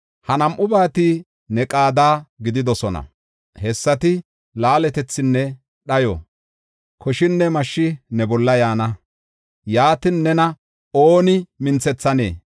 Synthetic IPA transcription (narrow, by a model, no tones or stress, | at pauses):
hɐnɐmʔʊbaːt̪ɪ | nɛkʼaːd̪aːɡɪd̪ɪd̪ɔsɔnɐ̰ | hɛsːɐt̪ɪ | laːlɛt̪ɛt͡sːɪnːɛ | ɗɐjɔ̰ | kʰɔʃɪnːɛmɐʃːɪnɛbɔlːɐjaːnɐ | jaːt̪ɪnːɛnɐ | oːnɪmɪnt͡sɛt͡sːɐnḛː